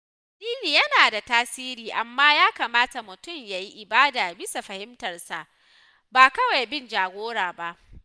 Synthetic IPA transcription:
diː˦niː˨jɐ˦naː˨da˨taː˦siː˦ɾiː˨ʔa˨mːaː˦jaː˦kaː˨maː˦ta˨mʊ˨tʊ˦˨mjaː˨ji˦ʔɪ˨baː˦daː˨bɪ˦sa˨ɸɐ˨hɪ˦mtɐ˨rsa˨ʔ | baː˨kɐ˦wa˨jbɪ˦nd͡ʒaː˨ɡʷoː˦ɽaː˨ba˦ʔ

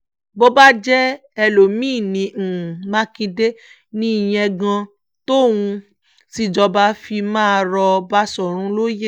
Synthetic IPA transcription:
bo˦ba˦d͡ʒɛ˦ | ɛ˧lo˨mĩː˦˨nĩ˨˧˨mã˦kĩ˧de˦ | nĩ˦i˦˨j̃ɛ̃˧ɡã˧ | to˦˨wũ˧ | si˦˨d͡ʒɔ˧ba˧˦fi˧mãː˦˧ɾɔ˧ba˦sɔ˦˨ɾ̃ũ˨˦lo˦je˦

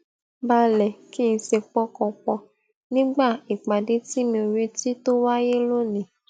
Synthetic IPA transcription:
ba˧lɛ˨ki˦˨ñ̩˧se˧k͡pɔ˧˦kɔ˧k͡pɔ˧ | nĩ˦ɡ͡ba˦˨i˨k͡pa˨de˦ti˦mĩ˧o˨ɾe˦ti˦to˦wa˦je˦lo˦nĩ˨

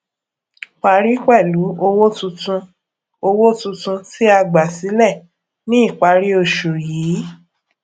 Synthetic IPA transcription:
k͡pa˧˦ɾi˦k͡pɛ˦˨lu˨˦o˧wo˦tũ˧tũ˧ | o˧wo˦tũ˧tũ˧ti˦a˧ɡ͡ba˨si˨˦lɛ˦˨ | nĩ˦i˦˨k͡pa˧ɾi˦o˧˨ʃo˨jiː˨˦

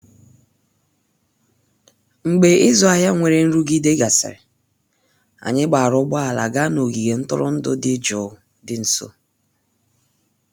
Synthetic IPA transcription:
ŋ͡m̩˨ɡ͡be˨ɪ˦zɔ˦a˨ja˦ŋʷe˨ɾe˨n̩˦ɾu˦ɡi˦de˦ɡa˨sɪ̰˨ɾɪ˨ | a̰˨ɲɪ˦ɡ͡ba˨a˨ɾʊ˦ɡ͡bɔ˦a˨la̰˨ɡa˦no˨ɡi˨ɡe˨n̩˦tʊ̰˦ɾʊ̰˦n̩˦dʊ̰˦dɪ˦d͡ʒɔ˨˦ | dɪ˨n̩˨so̰˦

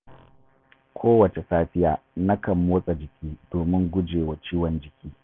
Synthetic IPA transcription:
kʷʰoː˦wɐ˨t͡ʃe˨saː˦ɸɪ˦jaː˨nɐ˦kɐ˨mːoː˦sʼa˨d͡ʒɪ˨kʲʰiː˦doː˨mɪ˦ŋɡʷʊ˦d͡ʒeː˨wa˨t͡ʃiː˦wɔ˨nd͡ʒɪ˨kʲiː˦

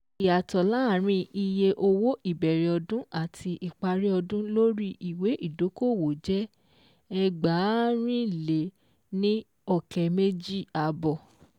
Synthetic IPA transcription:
i˨a˨tɔ˨la˦˨ɾ̃ĩ˧ʔi˧je˧ʔo˧wo˦ʔi˦˨bɛ˨ɾe˨ɔ˧dũ˦a˦˨tʰi˧ʔi˨k͡pa˧ɾi˦ɔ˧dũ˦lo˦ɾi˦ʔi˨we˨˦ʔi˦˨do˨˦ko˦˨wo˨d͡ʒɛ˦ | ɛ˧ɡ͡ba˨˦ɾ̃ĩ˦le˨˦ | nĩ˦ | ɔ˦˨kɛ˨me˦d͡ʒi˦a˨bɔ˨

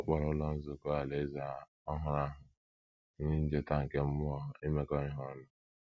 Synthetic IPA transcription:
ɔ˦k͡pɔ˨ɾɔ˦lɔ˦n̩˦zʊ˨kɔ˦a˨le˨˦za˨ | ɔ˦ɦʊ˨ɾa˦ɦʊ˨˦ | ɲi˦n̩˦d͡ʒe˦ta˦ŋ̩˨ke˦m̩˦mʊ˦ɔ˦˨e˦me˦kɔ˦ɾi˦ɦɔ˦nʊ˦

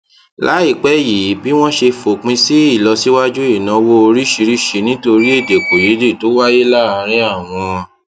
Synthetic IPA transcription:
la˨˦i˦˨k͡pɛ˨˦ji˨˦bi˦w̃ɔ̃˦ʃe˧fo˨k͡pĩ˧˦si˦i˦˨lɔ˧si˦wa˦d͡ʒu˦i˦˨nã˧˦wo˦o˧ɾi˦ʃi˧ɾi˦ʃi˧nĩ˦to˧ɾi˦e˦˨de˨k͡po˨je˨˦de˦˨to˨˦wa˦je˦la˦a˧ɾ̃ĩ˦a˦˨w̃ɔ̃˧ɔ̃˧

